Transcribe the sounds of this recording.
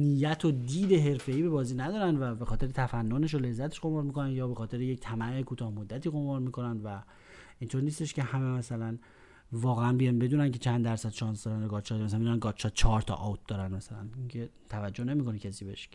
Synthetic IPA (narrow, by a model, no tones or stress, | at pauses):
nijæt̪ʰod̪iːd̪e̞ɦe̞ɾfe̞iːbe̞bɒːziːnæd̪ɒːɾænd̪væbe̞xɒːt̪ʰeɾet̪ʰæfænːone̞ʃ̬ole̞zːæt̪ʰeʃɡo̞mɑɾmiːko̞nænjɒːbe̞xɒːt̪e̞ɾejec̚t̪ʰæmæekʰuːt̪ʰɒːhmod̪ːæt̪iːɣo̞mɒɾmiːko̞nænd̪væ | int̪ʰoɾniːst̪e̞ʃce̞hæmemæsælæn | vɒːɣeænbijɒnbe̞d̪uːnæncʰe̞t͡ʃʰænd̪æɾsæd̪ʃɒːnsd̪ɒɾændoɡɒːt̪ʃɒt̪mæsæmed̪unænɡɒt̪ʃɒt̪̚t͡ʃʰɒːɾt̪ʰɒ̰ʔɒt̪̚d̪ɒːɾænmæsælænicʰe | t̪ʰævæd͡ʒːohne̞miːko̞nicʰæsiːbeʃ